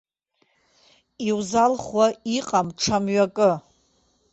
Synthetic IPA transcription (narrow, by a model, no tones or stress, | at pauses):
iwzalχwaiqʼamʈ͡ʂʰamɥakʼɨ